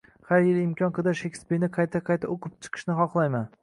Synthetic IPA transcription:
haɾjɪlˠɪmkʲʰɒnqɨd̪aʃekʲspiɾnɪqʰɑjt̪ʰaqʰɑjt̪ʰaoqʰɨp̚t͡ʃʰɨ̥qʰɨ̥ʃnɪχɒqlˠajman

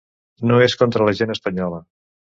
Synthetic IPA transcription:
noeskont̪ɾəlɐʒenəspəɲɔlə

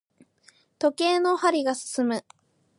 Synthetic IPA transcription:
t̪o̞ke̞ːno̞haɾʲiɡasɨ̥sɨmɯ̟

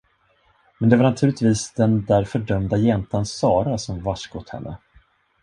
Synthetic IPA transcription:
mɛnd̪ɛvaɾɳat̪ʰʉ̟ːlɪt̪viːsd̪ɛnd̪æɾfœɖœmd̪ajɛnt̪ansɑːɾasɔmvaʂkʊt̪hɛ̰nːə̰

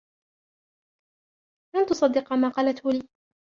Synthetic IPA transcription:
lant̪ʊsˤɑd̪ːɪqɑmaːqɑːlat̪hʊliː

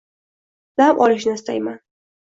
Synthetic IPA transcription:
d̪̥amʔɒlɪʃ̬nɪɪst̪ajman

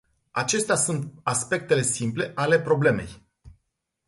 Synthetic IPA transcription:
at͡ʃe̞st̪easunt̪aspe̞k̚t̪e̞le̞simple̞ʔale̞pɾo̞ble̞me̞̰j

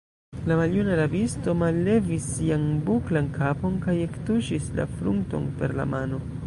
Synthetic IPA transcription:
lamaljunalavisto̞malːe̞visːianbuklankʰapo̞nkaje̞ktuʃisla̰fɾṵŋto̞̰npe̞̰ɾla̰mano̞

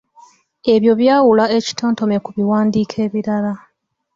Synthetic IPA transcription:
e̞βjo̞βjaːwulae̞ci̥tʰoːnto̞me̞kuβiwaːndiːkʰe̞ːβiɾala

